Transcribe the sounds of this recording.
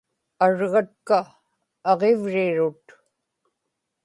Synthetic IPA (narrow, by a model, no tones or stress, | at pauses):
aɻʁɑt̪̚kaː | ʁevɻɪɻʊt̪